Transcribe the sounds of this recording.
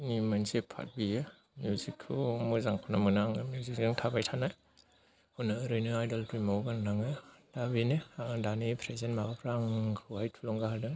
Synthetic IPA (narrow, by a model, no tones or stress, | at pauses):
nimansepʰa̰t̚bije | mjuzikʰɯmuzaŋkʰanamɯnaŋɯmjuzik̚zɯŋtʰabajtʰanaj | hɔnɯɾɯjnɯajdaltɾimowɡannaŋɯd̥abinɯdanipʰɾezenmabapʰɾaŋkʰɯwhajtʰulɔŋɡahadɯ